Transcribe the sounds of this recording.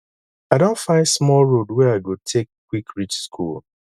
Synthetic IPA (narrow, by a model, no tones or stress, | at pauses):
aɪdõntfãɪ̃ndsmɔlɹodwɛɹaɪɡotʰekːwikʰɹit͡ʃskʰṵl